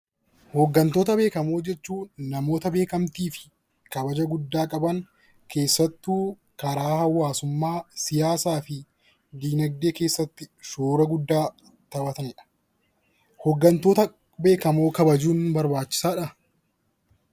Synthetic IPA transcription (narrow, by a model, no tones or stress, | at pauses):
hɔɡːɐnt̪o̞ːt̪ɐbe̞ːkɐmo̞ːd͡ʒɛt͡ʃːuːnɐmo̞ːt̪ɐbe̞ːkɐmt̪iːfɪ̥ | kɐbɐd͡ʒɐɡʊd̪ːaːkʼɐbɐn | kʰe̞ːsːɐt̪ːuː | kɐɾaːhɐwaːsʊmːaːsɪjaːsaːfɪ | d̪iːnɐɡd̪e̞ːkeːsːɐt̪ːɪʃoːɾɐɡʊd̪ːaː | t̪ɐbɐt̪ɐnɪᶑɐ̥ | hɔɡːɐnt̪o̞ːt̪ɐ | be̞ːkɐmoːkɐbɐd͡ʒuːnbɐɾbaːt͡ʃːɪ̥saːᶑɐ